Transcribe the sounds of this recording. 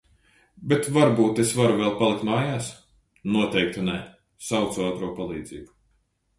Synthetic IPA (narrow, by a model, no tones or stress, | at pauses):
bet̪vaɾbuːt̪esvaɾuvɛlˠpalˠikt̪maːjaːs | nuɔt̪ɛjk̚t̪unɛ | sawt̪suaːt̪ɾuɔpalˠiːd̪ziːbu